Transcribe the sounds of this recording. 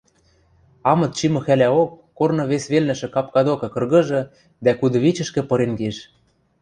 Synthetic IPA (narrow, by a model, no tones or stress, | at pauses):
ɑmɤ̆t̪̚t͡ɕimɤ̆xælæokːornɤ̆βesβelnɘ̆ʃɘ̆kɑp̚kɑd̪okɤ̆kɤ̆rɣɤ̆ʒɤ̆ | d̪ækud̪ɤ̆βit͡ɕɘ̆ʃkɘ̆pɤ̆ɾenɡeʃ